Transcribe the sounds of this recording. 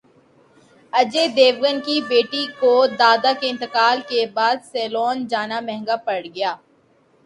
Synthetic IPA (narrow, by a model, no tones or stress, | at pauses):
ɐd͡ʒed̪eːʋɡənkibeːʈikod̪aːd̪akeɪ̃nt̪əkaːlkebaːd̪sɛːloːnd͡ʒaːnamɛ̃ɦɛ̃ŋɡapɐɽɡɐjaː